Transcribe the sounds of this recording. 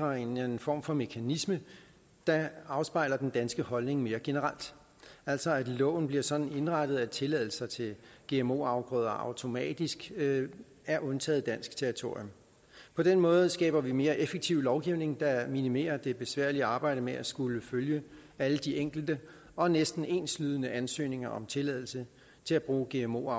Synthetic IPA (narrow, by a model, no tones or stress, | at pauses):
ʁɐe̝nnfɒ̰ːmfɒ̽me̝kʰænismə | d̥ɑ̈ɑ̈ʊsb̥ɑ̈ɪ̰lɐd̥end̥ænsɡ̥əhɒ̽lne̝ŋme̝ːɐɡ̥e̝nəʁal̰d̥ | æl̰sɒ̽æd̥lɔ̰̽ːʊn̩b̥liɐsɒ̽d̥n̩e̝nʁɑ̈d̥ð̞̩ˠæt͡sʰe̝lɛð̞̰ˠl̩sɐt͡sʰe̝lɡ̥e̝̰emo̝̰ːɑ̈ʊb̥ʁœːð̞̰ˠɐʔɑ̈ʊt͡sʰo̝mɛ̰ːd̥isɡ̥ | æɐʔɔ̽nt͡sʰɛ̰ːð̩ˠd̥æn̰sɡ̥t͡sʰeɐʁit͡sʰo̝ɐ̰jɔm | pʰɒ̽d̥enmɔ̽ːð̞̩ˠsɡ̥ɛ̰ːb̥ɐʋime̝ːɐʔefəɡ̥̚t͡sʰiʊ̰lɒʊɡ̥iʊne̝ŋd̥ɑ̈minime̝̰ːɐd̥e̝b̥e̝sʋæɐ̰liɑ̈ːb̥ɑ̈ɪ̰d̥əmeæsɡ̥uləføljə | æləd̥ieŋ̰ɡ̥l̩d̥ə | ɒ̽nesd̥n̩e̝̰ːnslyð̞ˠənəʔænsø̰ːne̝ŋɐɒ̽mt͡sʰe̝lɛ̰ðˠl̩sə | t͡sʰe̝læb̥ʁuːɡ̥e̝emo̝̰ː